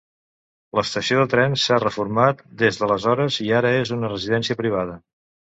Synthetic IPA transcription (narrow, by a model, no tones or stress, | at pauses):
ləst̪əsioðət̪ɾɛnsarəfuɾmat̪̚d̪ezðələzɔɾəziaɾəezunərəziðɛnsiəpɾiβ̞aðə